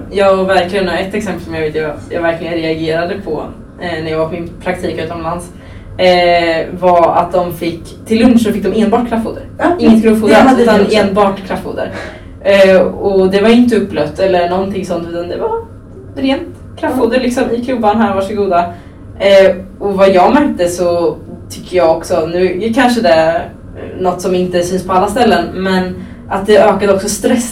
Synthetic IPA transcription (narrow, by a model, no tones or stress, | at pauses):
jɑːɡvæɾklɪɡənɔɛt̪ːɛksɛmpəlsɔmjaɡveːt̪əat̪jɑ̰ɡvæɾklɪɡənɾɛaɡeːɾad̪əpʰɔ̰ | næɾjɑːɡvaɾpʰɔmɪnpʰɾak̚t̪ʰiːkʉ̟ːt̪ɔmlans | vaɾa̰t̪̚d̪ɔmfɪkːt̪ʰɪlːɵnʂsɔfɪk̚ːd̪ɔmeːnbɑːʈkʰɾafːṵːd̪əɾɪŋːət̪kʰɾafuːd̪əɾʉːt̪aneːnbɑːʈkʰɾafːṵːd̪ə̰ɾ | ɔd̪ɛvaɾjɪnt̪̬əɵpːlœft̪ɛlːəɳɔnt̪ʰɪŋsɔnt̪ːɛnd̪ɛva | ɾeːnt̪ | kʰɾafhuːd̪əɾɭɪksɔmɪkʰlɵbːanɦæːɾvaʂɔɡuːd̪a | ɔvajɑːɡmɛɾ̚t̪əsɔt̪ʰʏ̥kʰːəjɑːɔksɔnʉ̟ːkʰanʂəd̪ɛæ | nɔt̪ːsɔmɪnt̪əsɛːspʰɔalːast̪ɛlːənmɛn | ʔat̪̚d̪ɛʔøːkad̪əɔksɔst̪ɾɛsː